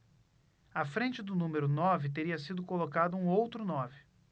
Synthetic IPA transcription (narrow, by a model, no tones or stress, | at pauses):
afɾẽnt͡ʃɪd̪ʊnũmeɾʊnɔvɪt̪eɾiɐsid̪ʊkolokad̪ʊũowt̪ɾʊnɔvɪ